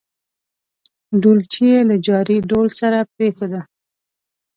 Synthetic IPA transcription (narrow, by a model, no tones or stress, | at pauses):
ɖult͡ʃielad͡ʒɑɾiɖolsaɾapɾexad̪a